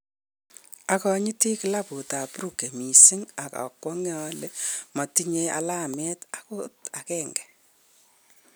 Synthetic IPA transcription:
akɔ˦ɲi˦ti˦kɪ˨la˦pu˨ta˨pɾu˦˨ke˨mi˨si˦ŋa˨ka̰˨kwɔ˦ŋjale˦mɔ˨ti˦ɲe˦a̰˨la˦mɛ˦ta˦ko˦ta˨kɛːŋɡɛ̥˨

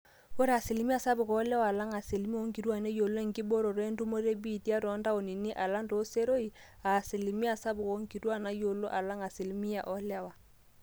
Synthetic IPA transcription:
o˦ɾa˨se˨li˨mi˦a˨sa˦βu˨kɔ˨˦la˦waː˨la˦ŋa˨se˨li˨mi˦o˦ŋɡi˨ɾwa˦˨nɛ˦jo˨lo˦e˦˨ŋɡi˦bo˦ɾo˨ɾwe˦ndu˦mo˦ɾe˦bi˦˨ti˦a˦ɾɔ˨˦nda˦o˨ni˨ni˦ʔa˨la˦ndo˨˦se˦ɾo˦i˨ | a˨se˨li˨mi˦a˨sa˦bu˨ko˨˦ŋɡi˨ɾwa˦˨na˨jo˨lo˦ʔa˨la˦ŋa˨se˨li˦mi˦a˨ʔɔ˦la˦wa˨

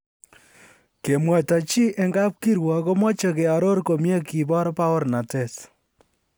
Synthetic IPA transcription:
ke˨mwɛ˨ta˨t͡ʃi˦ʔe˨ŋɡa˦p̚ki˦ɾwɔ˨ko˦mɔ˦t͡ʃe˨ke˨a˨ɾo˦ɾko˨mje˦ki˨bɔ˦ɾpa˦o˦ɾna˨te˨s

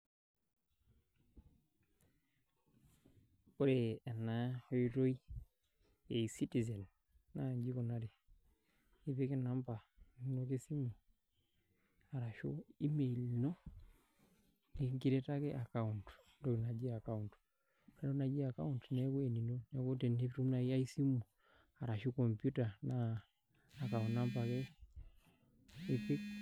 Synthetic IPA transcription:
ko˦ɾe˨a˨na˨ho˦i˦ɾo˦i˦ | e˨si˦ti˨zɛ˨nː | a˦˨ɲd͡ʒi˦ko˨na˦ɾe˨ | i˦βe˦ke˦na˦mba˨no˦ke˦si˦mu˨ | a˨ɾa˨ʃo̰˦i˦me˨lno˦ | ni˨ŋki˦ɾɛ˦ta˦kɛ˦ʔa˨ka˦untndɔ˦i˨na˨d͡ʒi˦a˨ka˦unt | n˨˦ɾɔ˦na˨d͡ʒi˦a˨ka˦u˦ntnɛ˦kwɛ˨ni˨no˦nɛ˨ko˦tɛ˨ni˦ftu˦mna˨ia˦i˦si˦mu˨ | a˨ɾa˨ʃu˦kɔ˨mpju˦ta˨naː˨ | ka˨u˨na˦mpa˨ke˦ | pi˦k

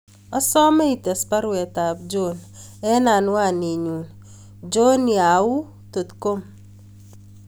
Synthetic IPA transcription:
ɔ˦sɔ˦mɛ˦i˨tɛ˨spa˦ɾwɛ˨ta˨p̚d͡ʒon | ɛ˦na˨n˦wa˦˨ni˨ɲu˨n | d͡ʒo˦ni˨a˨ʊ˦ | to˨tko˦m

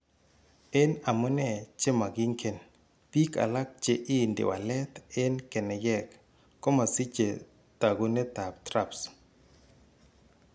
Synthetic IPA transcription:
e˦na˨mʊ˦nɛ˨t͡ʃe˦ma˨ɡi˦ŋkʰe˨n | pi˦ka̰˨la˦k̚t͡ʃe˨ʔɪ˦˨ndɪ̰˨wa̰˨lɛ˦t̪e˦nkɛ˨nɛ˨jɛ˦kː | ɔ˦ma˨si˦t͡ʃe˨ | t̪a˨ɡu˦ne˦t̪a˨p̚t̪ɾa˦ps

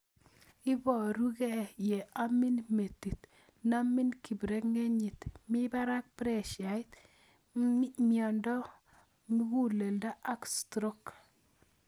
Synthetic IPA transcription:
ɪ˦bɔ˨ɾu˦ɡɛ˦˨je˨a˦mi˦nme˨t̪i˨t̪ | na˦mɪ˦nki˨bɾe˦kŋe˦ɲi˨t̪mɪ˦ba˦ɾa˦k̚pɾɛ˦ʃa˨ɪ˦t̪ | mjɔ˨ndɔ˦ | mi˦ɡu˦le˨lda˦ʔa˦kstɾo˦k

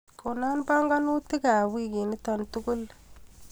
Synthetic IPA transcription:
ko˨na˦npa˦ŋɡa˦nu˦ti˦ka˨wi˦ki˨ni˦ta˨ntu˦kʊ˦l

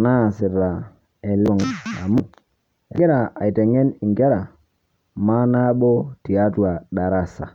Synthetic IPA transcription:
na˦˨sɪ˨ɾa˨ | ɛ˨lu˦˨ŋ˨a̰˨mu˦ | e˨e˦ɾa˨a̰˨i˨tɛ˨ŋɛ˦ni˨ŋɡe˦ɾa˨ | ma˦na˦bo˦ti˨a˦twa˨ɗa˨ɾa˦˨sa̰˨

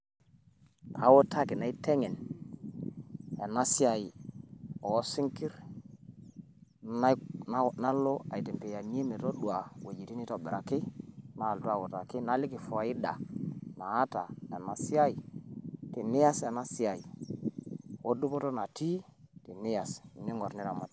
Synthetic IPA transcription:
a̰˨wɔ˦tʰa˦kɪ˨na˨i˦tɛ˦ŋɛ˨n | ɛ˨na˦si˦a˨ji˨ | ɔ˨˦si˦ŋki˦ɾ | na˦lɔ˦a˨i˨tɛ˨mpɛ˨ja˨ɲ˦e˦me˨tɔ˦ɗwa˨we˨d͡ʒi˨ti˦ni˦tɔ˨bɪ˨ɾa˨kɪ˦naː˨ltu˦a˨wo˨ta˨kɪ˦na˦lɪ˦ki˨fɔ˨a˨i˦ɗa̰˨naː˨˦ta˨ɛ˨na˨si˦a˦i˨ti˨nɪ˦ja˦sɛ˨na˦si˦a˨i˨ | o˦du˦pɔ˦to˦na˨ti˦ti˨nɪ˦ja˨sni˦ŋɔ˨ɾni˦ɾa˨ma˨t

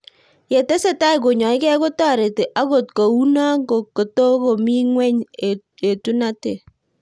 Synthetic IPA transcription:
je˨te˦se˦ta˦i˨k̬o˨ɲɔ˨ɪ˦kɛ˦ko˦ta˦˨ɾe˨te˨ʔa˦ko˨t̚ko˨u˦na˦ko˨ko˨to˦ko˨mi˦ŋwɛ˦ɲ˨ | e˨tu˦na˦te˨

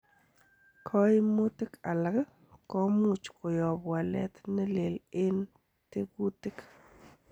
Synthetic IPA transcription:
kʰɔ˦jmu˦t̪ɪ˦ka˨la˨ɡ | kɔ˦mu˦˨t͡ʃko˨jɔ˨bwa˨lɛ̰˦t̪nɪ˦le˨lɪ˦n | tɪ˦ku˦tɪ˦k

